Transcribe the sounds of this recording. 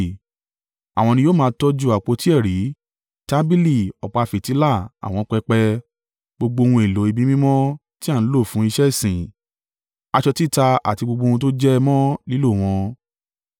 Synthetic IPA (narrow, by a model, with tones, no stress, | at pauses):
a̰˨w̃ɔ̃˧nĩ˧joː˦mãː˧tɔ˦d͡ʒu˦˨a˨k͡po˧˦ti˦ɛ˦˨ɾi˨˦ | ta˦bi˦li˦˨ɔ˨k͡pa˧fi˨ti˨˦la˦˨a̰˨w̃ɔ̃˧k͡pɛ˧k͡pɛ˧ | ɡ͡bo˧ɡ͡bo˧wũ˧e˨lo˨˦i˧bi˦mĩ˦mɔ̃˦ | ti˦a˦˨ñ̩˨˦lo˦˨fũ˨˦i˧ʃɛ˦˨sĩ˨ | a˧ʃɔ˧ti˦˨ta˧a̰˨ti˧ɡ͡bo˧ɡ͡bõ˧ũ˧to˦d͡ʒɛ˦mɔ̃˦li˦lo˦˨w̃ɔ̃˧